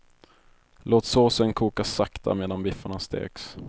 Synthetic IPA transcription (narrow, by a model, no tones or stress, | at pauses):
loːt̪soːsənkʰuːkasakt̪ʰa̰meːd̪anbɪfːʊɳast̪ḛːks